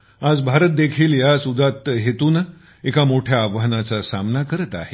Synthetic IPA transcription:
ad͡zbʱaɾət̪̚d̪ekʰiːljasud̪ʱːat̪ɦet̪uːn | ekamoʈʰjaːʋəɦənat͡sasamnakəɾət̪a̰ɦe

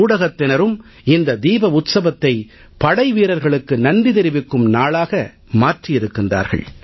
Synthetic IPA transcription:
uːɽɐɣɐt̪ːɪnɐɾɯm | ɪnd̪ɐd̪iːbɐʊt̪sɐʋɐt̪ːɐɪ | pɐɽɐɪʋiːɾɐɾɣɐɭɯkːɯnɐnd̪ɪðɪɾɪʋɪkːɯmnaːɭaːɣɐ | maːʈrɪjɪɾɯkːɪndra̰ːɾɣɐ̰ɭ

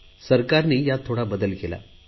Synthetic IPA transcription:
sɐɾkaːɾnijaːt̪ʰuɽabɐd̪ɐlikelɐ̰

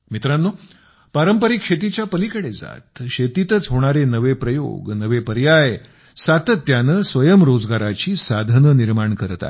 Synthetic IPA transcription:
mit̪ɾãnːo | paɾəmpəɾikʂet̪̬it͡ɕjapəlikəɽed͡za̰t̪ɕet̪it̪ət͡sɦoɽ̃aɾenəʋepɾəjo̰ɡnəʋepəɾjaj | sat̪ət̪ːjanəːsʋəjəmɾod͡zɡaɾat͡ɕiːsad̪ʱənəniɾmaɳkəɾt̪a̰

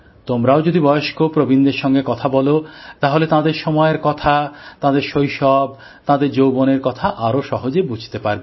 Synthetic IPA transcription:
t̪omɾaod͡ʑod̪ibɔjoʃkopɾobind̪eɾʃɔŋɡekɔt̪ʰabɔlot̪aɦolet̪ãd̪eɾʃɔmɔeɾkɔt̪ʰat̪ãd̪eɾʃojʃɔb̚ | t̪ãd̪eɾd͡ʑowboneɾkɔt̪ʰaʔaɾoʃɔɦod͡ʑebud͡ʑʱt̪epaɾbe

